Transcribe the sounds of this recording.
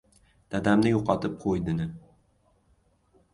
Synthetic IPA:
d̪̥ad̪amnɪjoqɒt̪ʰɪp̚qʰojd̪ɪnɪ

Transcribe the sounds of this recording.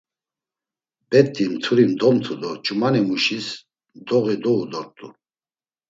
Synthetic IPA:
b̥ɛt̪ʼːimt̪ʰuɾimd̪ɔmt̪ʰud̪ɔt͡ʃʼumanimuʃis | d̪ɔɣid̪ɔud̪ɔɾt̪ʼu

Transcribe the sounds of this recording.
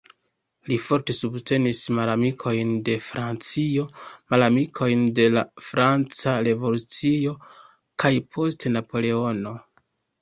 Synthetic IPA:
lifo̞ɾte̞subtʰe̞nismalamikʰo̞jnde̞fɾant͡sio̞malamikʰo̞jnde̞la̰fɾant͡saɾe̞vo̞lut͡sio̞ | kʰajpʰo̞stenapo̞le̞o̞no̞

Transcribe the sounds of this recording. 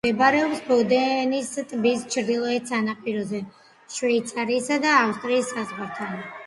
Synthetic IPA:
ɛbaɾɛɔpsbɔd̪ɛnist̪ʼbist͡ʃʰɾd̪ilˠɔɛt̪sanapʼiɾɔzɛ | ʃvɛit̪sʰaɾiːsad̪aːfst̪ʼɾiːsːazɡaɾt̪ʰan

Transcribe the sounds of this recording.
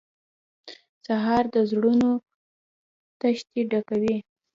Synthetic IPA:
saɦɑɾd̪əzɽuno | t̪aʃt̪iɖakawi

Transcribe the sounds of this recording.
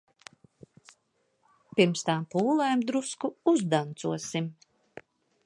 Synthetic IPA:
piɾmst̪ampuːlˠajmd̪ɾuskuuzd̪ant̪suɔsim

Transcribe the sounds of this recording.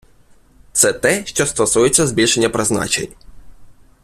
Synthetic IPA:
t̪sɛt̪ɛʃt͡ʃɔst̪ɔsujet͡sʲːɐzbʲilʲʃe̞nʲːɐpɾeznɑ̰t͡ʃḛnʲ

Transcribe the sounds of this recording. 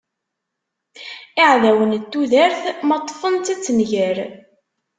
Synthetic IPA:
ɪʕðæwənt̪ːuðæɾθmɑt̪ˤːfənt̪æt͡sːənʝəɾ

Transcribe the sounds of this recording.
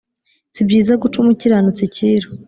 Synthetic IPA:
sibɟiːzaɡut͡ʃumuciɾanut͡siciːɾo

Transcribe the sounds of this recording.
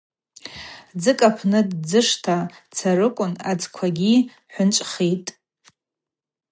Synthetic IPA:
d͡zɨkʼapʰnɨdd͡zɨʂtʰat͡sʰaɾɨkʷʼʊnad͡zkʷʰaɡʲi | ħʷʊnt͡ʃʷʼχitʼ

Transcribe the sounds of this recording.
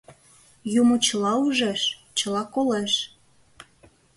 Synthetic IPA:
jumot͡ɕəlɑuʒeʃ | t͡ɕəlɑkoleʃ

